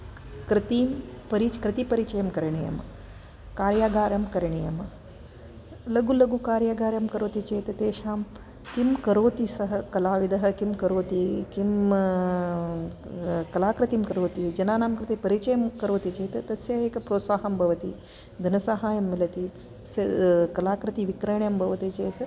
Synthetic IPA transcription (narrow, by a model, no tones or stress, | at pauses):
kɾɪt̪iːmpɐɾit͡ʃkɾɪt̪ipɐɾit͡ʃɐjɐmkɐɾɳijɐ̰m | kaːɾjaːɡaːɾjɐmkɐɾɳijɐm | lɐɡulɐɡukaːɾjaːɡaːɾjɐmkɐɾoːt̪it͡ʃeːt̪ɐt̪eːʃaːm | kimkɐɾoːt̪isɐɦɐkɐlaːʋid̪ɐɦɐkimkɐɾoːt̪ikim | kɐlaːkɾɐt̪imkɐɾoːt̪id͡ʒɐnaːnaːmkɾɐt̪epɐɾit͡ʃɐjɐmkɐɾoːt̪it͡ʃeːt̪ɐt̪ɐsjɐɦeːkɐpɾoːt̪saːɦɐmbʱɐʋɐt̪i | d̪ʱɐnɐsaːɦaːjɐmːilɐt̪i | ɐsjɐkɐlaːkɾɐt̪iʋikɾɐɳjɐmbʱɐʋɐt̪it͡ʃeːt̪ɐ